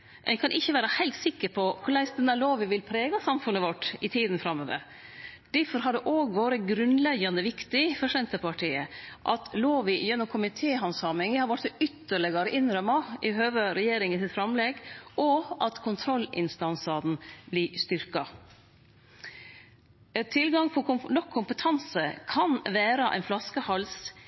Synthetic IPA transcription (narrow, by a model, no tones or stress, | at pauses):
ʔɛ̰kʰɑnʔɪçːəʋæːɾɑhæɪt̪sɪkːəɾpʰɔkʰʊɭæɪsd̪ɛnːəloːʋɪʋɪlpʰɾeːɡɑsɑmfʉnːəʋɔʈːɪt̪ʰiːd̪n̩fɾɑmːoːʋə̰ɾ | d̪̥æɾfɔɾɦɑɖ̪ɛʔoːɡʋoːɾəɡɾʉnlɛɡɑnd̪əʋɪkt̪ɪfɔɾʂɛnt̪əpɑʈʰiːəʔɑt̪loːʋɪjɛnːʊmkʰʊmɪt̪ʰeːhɑnsɑːmɪŋɪhɑɾʋɑʈsɔʏt̪ːəɭɪɡɑɾəʔɪnɾœmɑʔɪɦøːʋəɾɛjeːɾɪŋɪsɪt̪fɾɑmlɛɡɔʔɑt̪kʰʊnt̪ʰɾɔlːɪ̰nst̪ɑnsɑd̪n̩blɪst̪ʏɾkɑ | t̪ʰɪlɡɑŋpʰɔnɔkʰːʊmpət̪ʰɑnsəkʰɑnʋæːɾɑʔæ̰ɪnflɑskəhɑls